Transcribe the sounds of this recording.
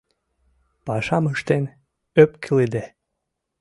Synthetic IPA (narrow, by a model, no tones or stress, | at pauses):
pɑʃɑməʃt̪en | øpkʰəled̪e